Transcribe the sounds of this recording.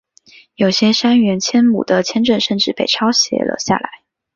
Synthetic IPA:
jo˨˩ʊɕjɛ˥ʂa˥nɥɛ˧˥nt͡ɕʰjɛ˥nmṵ˨˩d̪ə˦t͡ɕʰjɛ˥nʈ͡ʂə˥˧nʂə˥˧nʈ͡ʂɻ̩˥˩pe˥˩ɪʈ͡ʂʰɑ˥ʊɕjɛ̰˧˥lə̰˧ɕja̰˥˩la̰˧˥˦ɪ

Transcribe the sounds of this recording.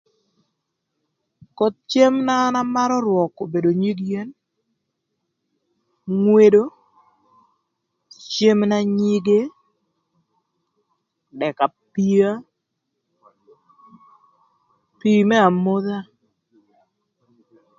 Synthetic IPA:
kɔ˨t̪̚t͡ʃe˦mna˦na˦ma˦ɾɔ˦ɾwɔ˨ko˨be˨do˨ɲi˦ɡje˦n | ŋwe˦do˦ | t͡ʃe˦mna˦ɲi˦ɡe˦ | dɛ˨ka˨pi˦a˦ | pi˨mɛ˦a˨mo˦ða˦

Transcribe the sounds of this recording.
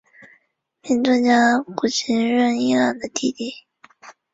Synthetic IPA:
mi˧˥nt͡swə˥˧nt͡ɕja˥ku˨˩t͡ɕʰi˧˥nɻə˥˧ni˥la˨˩nd̪ə˦t̪i˥˧t̪i˥˩

